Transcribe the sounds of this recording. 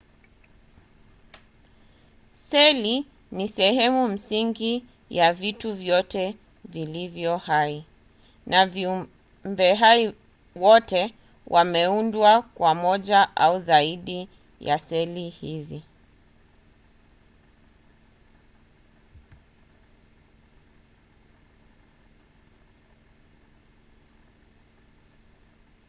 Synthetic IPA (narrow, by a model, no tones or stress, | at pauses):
sɛli | nisɛhɛmum̩siŋɡi | javituvjɔtɛ | vilivjɔhai | nʔaviu | mbɛɦai | wɔtɛ | wʔamɛundwakwamɔʄaʔauzaiɗi | ja̰sɛlihizi